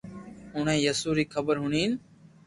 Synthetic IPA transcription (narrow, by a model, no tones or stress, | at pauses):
ʊɳẽːjəsuːɾiːkʰəbəɾɦʊɳiːn